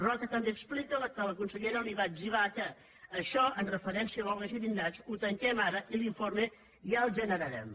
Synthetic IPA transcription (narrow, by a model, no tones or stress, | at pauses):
rɔt̪ət̪əmbeːksplikələkələkunsəʎɛɾəwniβaʒiβ̞akəː | ʃɔʔənrəfəɾɛnsiəβɔlɡəziɾinat͡ʃut̪əŋkɛmaɾəʔiliɱfoɾme | jalˠʒənəɾəɾɛ̰m